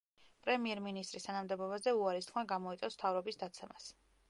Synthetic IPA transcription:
pʼɾɛmiɛɾminist̪ʼɾist̪ʰanamd̪ɛbɔbazɛuaɾist̪χʰmaɡamɔit̪sʼɔst̪ʰavɾɔbisd̪at̪sʰɛmas

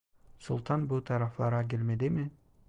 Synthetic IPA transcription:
sṵlˠt̪ʰɑnbut̪ʰɑɾɑflˠɑɾɑk̬elmed̪ɪmɪ

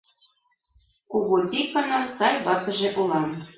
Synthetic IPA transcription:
kuɣot̪ʲikːɤ̆nɤ̆mt͡sɑjβɑkɤ̆ʒĕʔulˠɑn

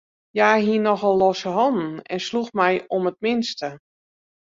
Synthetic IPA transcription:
jaːɦiənɔxɔlˠːɔsəɦɔnn̩ɛ̰nsluxmɛjɔmət̚mɪnstə

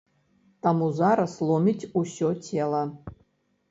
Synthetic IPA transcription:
tʰamuzaɾɐslˠomʲitʲusʲotʲʰelˠɐ

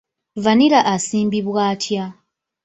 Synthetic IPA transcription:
vaniɾaʔasiːmbiβwaːtʰja

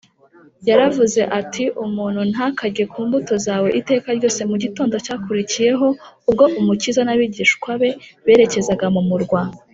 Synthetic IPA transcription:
jaɾavuze̞ʔatʰiʔumuːn̥hun̥hakaɟe̞kuːmbuto̞zaːwo̞ʔite̞ːkaɾɟo̞ːse̞muɟito̞ːndo̞caːkuɾicije̞ɦo̞ub̚ɡo̞ʔumucizanaβiɟiːʃkwaβe̞βe̞ːɾe̞ce̞zaɡamumuɾɡwa

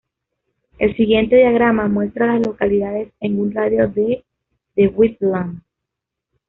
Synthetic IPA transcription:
e̞lsiɣje̞nt̪e̞ðjaɣ̞ɾamamwe̞st̪ɾalaslo̞kaliðaðe̞seŋɡunraðjo̞ðe | ðewwit̪̚lan

